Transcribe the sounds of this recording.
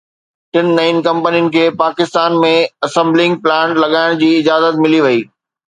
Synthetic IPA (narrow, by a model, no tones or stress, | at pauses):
ʈɪnːainkɐ̃mpənijənɪ̆kʰeːpaːkɪst̪aːnmẽɐsɛ̃mblɪ̃ŋɡ̚plãːɳʈlɐɠaːɪɽ̃d͡ʑiːɪd͡ʑaːzət̪mɪliʋɐiː